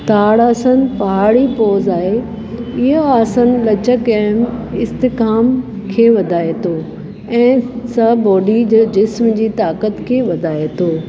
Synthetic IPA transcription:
t̪aːɽaːsən̆pɐɦaːɽipɔːzaːɦe | ɪɦoaːsənɪ̆lɐt͡ɕəkɛ̃ːmɪst̪ɪkaːm | kʰeːʋɐd̪ʱaːet̪ʰoː | ɛ̃ːsɐbɔːɖid͡ʑɪsmd͡ʑiːt̪aːkət̪kʰeːʋɐd̪ʱaːet̪ʰoː

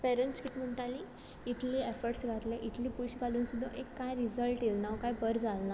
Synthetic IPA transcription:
peɾəɳʈskit̪ʰːm̤əɳʈali | it̪ʰliːefəɾɽʈsɡʱat̪leʔit̪ʰliːpuɕɡʱaluːnsud̪ʱːəʔekːajɾizəlʈilnaʋkajbəɾd͡zʱalna

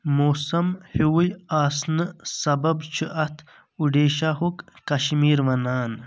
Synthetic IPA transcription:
moːsɐmhiwujaːsnɨsɐbɐbt͡ʃʰɨʔɐt̪ʰ | uɖeːʃahukkɐʃmiːɾʋɐnaːn

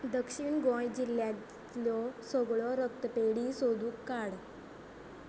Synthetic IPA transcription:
d̪əkʂiːnɡɔ̃jd͡ʑilːja | lɔsɔɡɭɔɾək̚t̪əpeɽisod̪uːkːaɽ

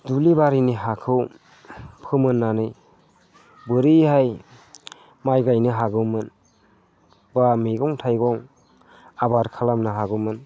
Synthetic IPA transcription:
dulibaɾiniɦakʰɯw | pʰɯmɯnːanɯj | bɯɾihaj | majɡajnɯɦaɡɯwmɯn | bamiɡɔŋtʰajɡɔŋ | abaɾkʰalamnɯɦaɡɯwmɯn

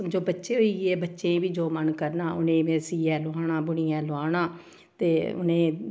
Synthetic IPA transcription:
md͡ʒoːbətːʃeːɦoiːɡeːbətːʃẽːʋiːd͡ʒoːmənkəɾnaːʊnẽːesiːɛːlʊaːɳ̃ãːbʊɽijɛ̃ːloaːɽ̃ãː | t̪eːʊ̰nẽː

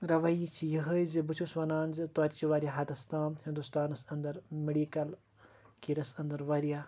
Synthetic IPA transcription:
ɾɐʋɐjit͡ʃʰijəɦəjzibɨt͡ʃʰusʋɐnaːnʲzɨt̪oɾʲt͡ʃiʋaɾʲjaɦɐd̪ɐst̪aːmhĩnd̪ust̪aːnɐsɐnd̪ɐɾmeɖiːkɐl | kiɾɐsɐnd̪ɐɾʋɐɾija

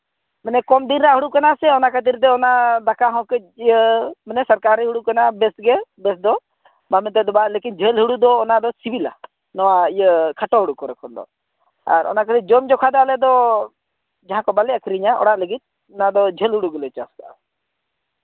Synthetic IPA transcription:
mɛnɛkɔmd̪inɾaɦuɽukanasɛɔnakʰət̪iɾt̪̬ɛɔnad̪akaɦɔ̃kɛijəmɛnɛsəɾkaɾɛɦuɽukanabɛsɡɛbɛsd̪ɔ | bamɛt̪ɛd̪ɔbalekind͡ʒʱelɦuɽud̪ɔːnad̪ɔsibila̰ | nɔwaijəkʰaʈɔɦuɽukɔɾɛkʰɔnd̪ɔ̰ | a̰ɾɔ̰nakʰət̪id͡ʒɔmd͡ʒɔkʰad̪ɔalɛd̪ɔ | d͡ʒaɦãkɔbalɛakʰɾiɲaʔɔ̰ɽaʔləɡit̪̚ | ɔnad̪ɔd͡ʒʱelɦuɽuɡɛlɛt͡ʃasd̪a̰

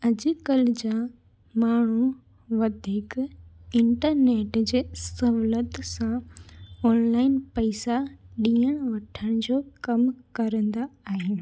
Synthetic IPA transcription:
ɐd͡ʑkəld͡ʑã | maːɳ̤u | ʋɐd̪ʱiːkɪ̃ɳʈəɾneːʈd͡ʑeːsɐɦlət̪sã | ɔːnlaːɪnpɐɪsaɗĩːəɽ̃ʋɐʈʰəɽ̃d͡ʑoːkɐmkɐɾə̃nd̪aaːɦɪñ̆

